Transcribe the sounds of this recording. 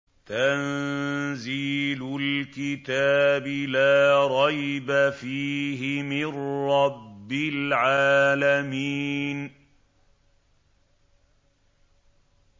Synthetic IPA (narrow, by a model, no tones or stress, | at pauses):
t̪an | ziːlʊlkɪt̪aːbɪlaːɾˤɑjbafiːɦɪmɪnɾːɑbːɪlʕaːlamiːn